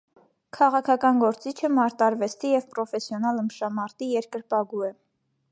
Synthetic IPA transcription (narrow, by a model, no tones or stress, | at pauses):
kʰɑʁɑkʰɑkɑnɡɔɾt͡sit͡ʃʰəmɑɾt̪ɑɾvɛst̪ʰijɛvpɾɔfɛsjɔnɑləmʃɑmɑɾt̪ijɛɾkəɾpɑɡuɛ